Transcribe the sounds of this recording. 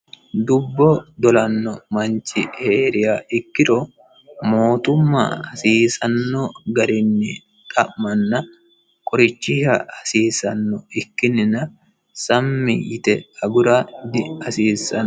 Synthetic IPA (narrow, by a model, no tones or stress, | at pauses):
d̪ʊbːod̪ɔlɐnːɔmɐnt͡ʃɪheːɾɪjaːʔɪkːɪɾo | mo̞ːt̪ʊmːa̰ːɐsiːsɐnːoːɡɐɾɪnːɪ | t̪ʼɐʔmɐnːɐ | kʼɔɾɪt͡ʃːɪhɐɐsiːsɐnːɔɪkːɪnɪnɐ | sɐmːɪjɪt̪ɛɐɡʊɾaːd̪ɪɐsiːsɐn